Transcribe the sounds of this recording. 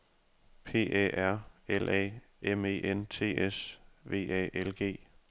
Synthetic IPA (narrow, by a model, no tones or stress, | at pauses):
pʰe̝̰ːʔɛ̰æɐ̰elʔɛ̰ː | ʔeme̝̰ːʔent͡sʰe̝̰ːesʋe̝̰ːɛ̰ːʔelɡ̥e̝̰ː